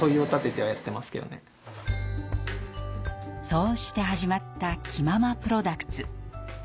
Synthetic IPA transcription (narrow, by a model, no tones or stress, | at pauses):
oioːt̪at̪e̞t̪e̞βajat̪ːe̞masɨ̥ke̞d̪one̞̰ | so̞ːɕi̥t̪e̞ɦaʑimat̪ːakʲʰimamapɯ̟ɾo̞d̪akɯ̥t͡sɨ